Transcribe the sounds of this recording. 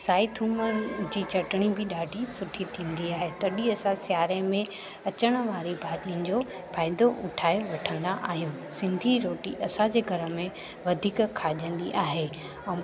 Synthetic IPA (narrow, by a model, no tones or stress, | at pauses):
saːit̪ʰuːməd͡ʑiːt͡ɕɐʈɽ̃ibɪɗaːɖʱisʊʈʰiʈʰĩːnd̪iaːɦet̪ɐɗiɐsãsjaːɾẽmẽ | ɐt͡ɕəɽ̃ə̆ʋaːɾibʱaːɗiənɪ̆d͡ʑoː | pʰaːɪd̪oʔʊʈʰaːeʋɐʈʰə̃nd̪aʔaːɦijũ | sɪ̃nd̪ʱiɾoːʈiʔɐsãd͡ʑeːɡʱɐɾə̆mẽ | ʋɐd̪ʱiːkkʰaːʄə̃nd̪iʔaːɦeː | ɛ̃